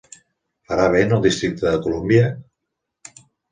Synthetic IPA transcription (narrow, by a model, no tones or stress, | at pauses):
fəɾaβ̞enəlˠd̪ist̪ɾik̚t̪əðəkulumbiə